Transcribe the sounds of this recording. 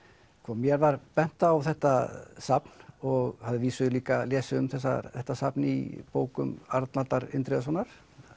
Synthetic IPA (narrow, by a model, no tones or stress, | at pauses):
kʰvɔmjɛɾvaɾpɛn̥t̪aːwθɛht̪asapnɔɣhaðɪviːsʏliːkalɛːsɪʏmθɛsːa̰θɛht̪ːasapnḭpoːwkʏmaɾt̪nat̪aɾɪ̰nt̪ɾɛðs̬ɔnːaɾ̥